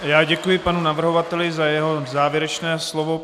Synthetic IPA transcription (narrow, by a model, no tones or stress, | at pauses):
jaːɟɛkujɪpanunavr̩ɦovat̪ɛlɪzajɛɦo̞zaːvjɛɾɛt͡ʃnɛːslovo